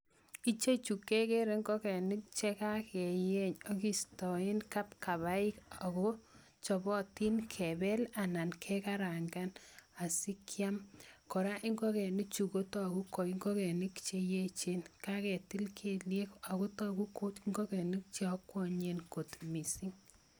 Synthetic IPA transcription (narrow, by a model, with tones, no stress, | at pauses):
i˦t͡ʃe˦t͡ʃu˨kːe˦ke˦ɾe˨ŋɡɔ˦kɛ˨ni˦k̚t͡ʃe˦ka˦kʰɛ˨je˦ɲɔ˦ki˦stɔ˨ɪ˦nka˦pka˨βa˦i˦ka˨kɔ˦ | t͡ʃɔ˨bɔ˦ti˦nkʰɛ˨bɛ˦la˨na˨nkʰɛ˦ka˦ɾa˨ŋɡa˦na˨si˦kʰjamkɔ˨ɾa˦ʔi˦ŋɡɔ˦kɛ˨nɪ˦k̚t͡ʃu˨ko˦tɔ˦ku˦kɔ˨i˦ŋɡɔ˦kɛ˨nɪ˦kt͡ʃe˦je˦t͡ʃenka˦kɛ˨ti˦lkʰe˦lje˦ka˨ko˦tɔ˦ku˦ko˦ŋɡɔ˦kɛ˨nɪ˦k̚t͡ʃe˦ɔ˦kːwɔ˦ɲe˦nko˨tmi˨si˦ŋ